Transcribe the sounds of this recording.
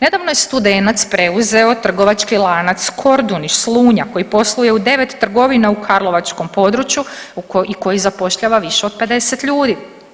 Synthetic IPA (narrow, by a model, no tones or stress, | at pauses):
ne̞d̪aʋnojest̪ud̪e̞nat̪spɾe̞uze̞o̞t̪r̩ɡo̞ʋat͡ʃkilˠanat̪skʰo̞ɾd̪uniʃslˠuːɲako̞jipo̞slˠuje̞ud̪e̞ʋe̞t̪ːr̩ɡo̞ʋinaukʰaɾlˠo̞ʋat͡ʃko̞mpo̞d̪ɾut͡ʃjuiko̞jizapo̞ʃʎaʋaʋiʃe̞od̪̚pe̞d̪e̞set̪ʎuːd̪i